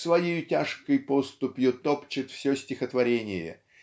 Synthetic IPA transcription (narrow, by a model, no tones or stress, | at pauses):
svɐjejʊtʲaʂkəjpost̪ʊpjʊt̪opt͡ɕɪt̪fsʲosʲtʲɪxət̪vɐɾʲenʲɪjə̰